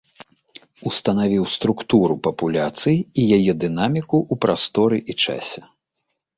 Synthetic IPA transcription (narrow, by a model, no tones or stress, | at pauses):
ust̪ɐnavʲiwst̪ɾukt̪uɾupɐpulʲat̪sɨjijajɛd̪ɨn̪amʲikuʔːpɾʔast̪ɔɾɨʔit͡ʂa̰sʲɛ